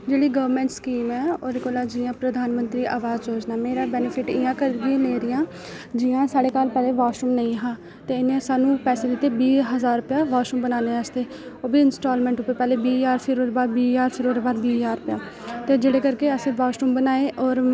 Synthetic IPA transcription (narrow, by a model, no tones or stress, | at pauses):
d͡ʒeːɽiːɡəʋəɾmɛ̃ːɳʈskiːmɛːoːɾekoːlaːd͡ʒiːãːpɾəd̪ʱaːnmə̃nt̪ɾiːʔaːʋaːzsoːd͡ʒnaːmeːɾaːbɛːnɪpʰɪʈɪjãːkəɾɡ̪iẽleːɾɪjãː | d͡ʒijãːsaːɽeːkaːlpɛːleːʋaːsʈuːmnəĩːɦãː | t̪eːɪnẽːsaːnũːpɛːseːd̪ɪt̪eːbiːɦəzaːɾʊpjaːʋaːsʈuːmbənaːneːəst̪eː | oːbiːɪnsʈoːlmɛ̃ːɳʈʊpːepɛːleːbiːjaːɾpʰɪɾoːɾbaːd̪biːjaːɾpʰɪɾoːɾebaːd̪biːzaːɾʊpjaː | t̪eːd͡ʒeːɽeːkəɾkeːəsẽːʋaːsʈuːmbənaːeːʔɔːɾ